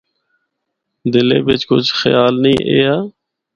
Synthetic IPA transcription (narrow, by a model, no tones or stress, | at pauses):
d̪ɪleːbɪt͡ʃkʊt͡ʃʰxəjaːlnĩːʔeːaː